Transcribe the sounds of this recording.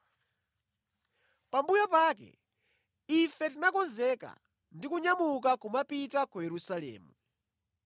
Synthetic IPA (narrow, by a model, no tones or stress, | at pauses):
pambujɔpaːk̬ɛ̰ | ifɛtinakɔnzɛka̰ | ndikuɲamukakumapitakujɛɾusalɛ̰ːmu